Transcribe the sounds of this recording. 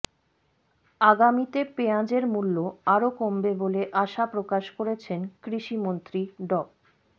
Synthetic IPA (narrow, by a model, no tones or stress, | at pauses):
aɡamit̪epeãd͡ʑeɾmulːoaɾokombeboleʔaʃapɾokaʃkoɾet͡ɕʰenkɾiʃimont̪ɾiɖɔb̚